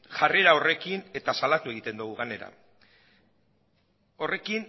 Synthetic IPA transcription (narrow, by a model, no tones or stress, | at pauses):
ʝare̞ɾao̞re̞kine̞t̪asalat̪ue̞ɣ̞it̪e̞nd̪uɣ̞uɣane̞ɾa̰ | o̞re̞kin